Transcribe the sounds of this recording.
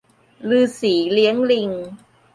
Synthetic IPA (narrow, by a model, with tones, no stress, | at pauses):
lɯː˧siː˩˦li˦˥əŋli˧ŋ